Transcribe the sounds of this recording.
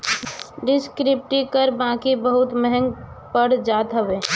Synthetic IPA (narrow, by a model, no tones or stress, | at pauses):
ɖɪskɾɪp̚ʈikəɾbãːkibəɦʊt̪mɛɦɛ̃ŋɡ | pəɽd͡ʒaːt̪ɦəʋeː